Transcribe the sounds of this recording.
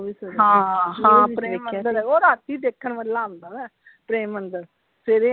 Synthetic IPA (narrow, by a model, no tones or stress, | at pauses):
ɦãːɦãːɾeːməd̪əɾoːɾat̪iːd̪eːkʰːənʋəlːãːnd̪aːʋɛː | pɾeːmənd̪əɾ | pʰeɾe